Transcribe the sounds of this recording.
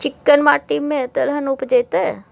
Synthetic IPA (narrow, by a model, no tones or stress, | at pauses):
t͡ʃɪkːənʋaːʈiːmːẽt̪əlɦɐnupd͡ʒet̪e